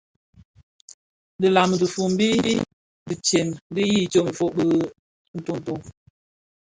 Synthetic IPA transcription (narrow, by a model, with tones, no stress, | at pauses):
də˨la˨m˨də˨fu˨m̩˦bi˦ji˦ | di˨t͡ʃe˨n˦di˦ji˦˨t͡ʃo˦˨m̩˨fo˦ʔbə˦ | n̩˨tu˦˨n̩˨to˦˨ŋ